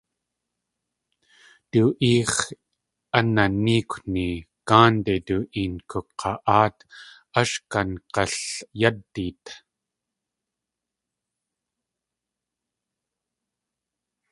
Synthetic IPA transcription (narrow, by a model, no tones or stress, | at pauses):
t̪uːʔiːχ | ananiːkʷni | kaːnt̪et̪uʔinkʰuqʰɑʔaːt̪ | ɐʃkɐnqɑɬjɐd̪ːit̪